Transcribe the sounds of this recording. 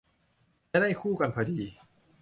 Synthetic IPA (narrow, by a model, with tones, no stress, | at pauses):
t͡ɕa˧˥˦da˥˩jkʰuː˥˩ka˧npʰaː˧˩diː˧